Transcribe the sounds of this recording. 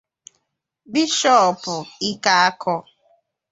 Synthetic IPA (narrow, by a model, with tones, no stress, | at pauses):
bi˦ʃɔ˦˨pʊ˨i˦ka˦a˦kʰɔ˦